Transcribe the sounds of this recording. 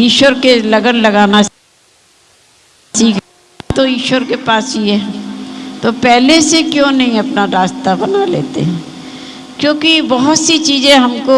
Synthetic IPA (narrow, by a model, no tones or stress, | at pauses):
iːʃʋəɾkelɐɡənlɐɡaːna | siːkʰ | t̪oiːʃʋəɾkepaːsɦiɦɛː | t̪opɛɦlesekjõːnɐɦĩɐpnaɾaːst̪abɐnalḛːt̪ḛɦɛ̃ː | kjõːkibɐɦʊt̪sit͡ʃiːzẽɦɐmko